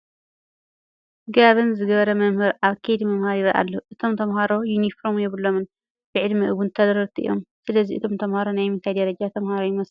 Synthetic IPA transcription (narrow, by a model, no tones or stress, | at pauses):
ɡaβɨnzɨɡɐβɐɾɐmɐmhɨɾʔaβkʰejd̪imɐmhaɾiβɐʔa̰lːɐuʔɨt̪ʰo̞mt̪ʰɐmɦaɾo̞junifɾomjɛβɨlːomɨn | b̥ɨʕɨd̪mɨʔɨwunt̪ʰɐlɐɾɐt̪ʰɨʔɨ̰ḭjo̰msɨlɐziʔɨ̰t̪ʰo̞mt̪ʰɐmhaɾo̞najmɨnt̪ʰajd̪ɐɾɐd͡ʒat̪ʰɐmhaɾojɪmɐs